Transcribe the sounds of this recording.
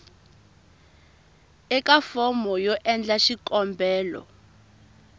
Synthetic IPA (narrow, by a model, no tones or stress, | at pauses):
ɛkafɔmɔjɔʔɛnd͡ɮaʃikɔmbɛːlɔ̰